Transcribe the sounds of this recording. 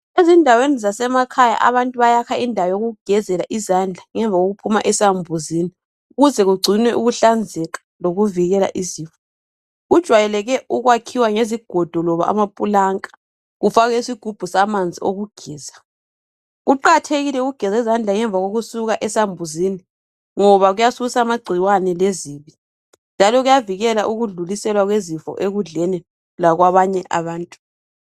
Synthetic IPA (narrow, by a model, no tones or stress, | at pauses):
ezindʱawenizasɛmakʰaja̰ʔa̰βantʼuβajakʰaindʱawajoɣuɡ̥ʱɛzɛlaʔizand͡ɮʱaŋɛɱvʱaɣoɣupʰuma̰ʔɛsambʱuzini | uɣuzɛɣuɡ͡ǀʱinwɛʔuɣuɬand͡zʱɛɣḁ | loɣuviɣɛla̰ʔiziːɱfɔ̥ | ɣud̥ʒ̥ʱwajɛlɛɣɛʔuɣwakʰiwaŋeziɡ̥ʱɔd̥ʱɔlɔβa̰ʔa̰mapʼulaŋʼḁ | ɣufaɣɛisiɡ̥ʱub̥ʱusamand͡zʱio̰ɣuɡ̥ʱɛːza | ɣuǃatʰeɣilɛɣuɡ̥ʱɛzɛzand͡ɮʱaŋɛɱb̪vʱaɣoɣusuɣaʔɛsambʱuziːni | ŋɔβaɣujasusamaɡ͡ǀʱiwanɛleziːβi | nd͡ʒʱalɔɣujaviɣɛlaʔuɣuɮulisɛlwaɣwezifɔ̰ʔeɣuɮɛni | laɣwaβaɲɛʔa̰βaːntʼu